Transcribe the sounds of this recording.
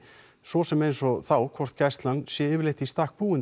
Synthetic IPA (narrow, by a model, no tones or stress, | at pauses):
sɔsɛmejnsɔθawkʰvɔr̥t̪cast̪lansjɛɪːvɪɾlejht̪ɪist̪aːk̚puːɪn